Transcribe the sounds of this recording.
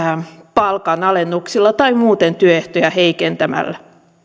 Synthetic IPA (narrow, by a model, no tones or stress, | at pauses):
pɑlkɑnɑlenːuksilːɑt̪ɑimuːt̪ent̪yøeht̪ojæheikent̪æmæ̰lːæ